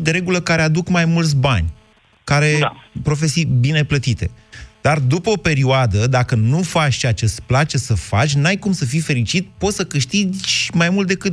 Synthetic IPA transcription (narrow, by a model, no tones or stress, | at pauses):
d̪eɾe̞ɡuləkaɾe̞ad̪ukmajmult̪s̬ʲbanʲ | kaɾe̞pɾo̞fesijbine̞plət̪it̪e̞̰d̪̥ard̪upəo̞pe̞ɾioad̪əd̪akənufat͡ʃt͡ʃeat͡ʃe̞splat͡ʃe̞səfa̰t͡ʃʲnajkumsəfijfe̞ɾit͡ʃit̪̚po̞t̪səkɨʃt̪izʲmajmult̪̚d̪ekɨt̪